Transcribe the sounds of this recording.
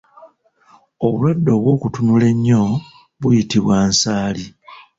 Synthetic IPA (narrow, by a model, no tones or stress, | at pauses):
o̞βulwadːo̞ːβwo̞ːkutunule̞ɲːo̞ | βujitiβwaːnsaːli